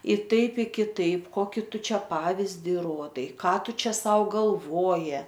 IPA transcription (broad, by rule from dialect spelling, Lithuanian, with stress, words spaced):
ɪ ˈtɐɪp ɪ kʲɪˈtɐɪp ˈkoːkʲɪ ˈtʊ ˈt͡ʃʲɛ ˈpɑːʋʲɪzʲdʲɪ ˈruɔdɐɪ ˈkɑː ˈtʊ ˈt͡ʃʲɛ ˈsɐʊ ɡɐlˠˈʋoːjɪ